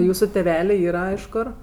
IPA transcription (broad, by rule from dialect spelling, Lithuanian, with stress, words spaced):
ˈjuːsʊ tʲɛˈʋʲæːlʲeː ˈiːrɐ ɪʃ ˈkoːr